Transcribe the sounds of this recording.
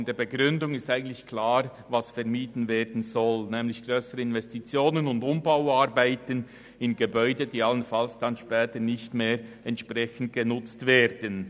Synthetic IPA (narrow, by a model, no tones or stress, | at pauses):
ndeːɐbəɡʁʏndʊŋɪstaɪɡən̩tlɪçkʰlaːʁ | vasfɛʁmiːdn̩veːɾdn̩zɔlnɛːmlɪçɡ̥ʁøːsəɾəɪnvɛstit͡sjoːnənʊndʊmbaʊaɾbaɪtən | ɪnɡəbœʏdədiːalənfalsd̥anʃpɛːtənɪçtmeːɾ | ɛntʃpʁɛçən̩t̚ɡ̥ənʊt͡stveːɾd̥ən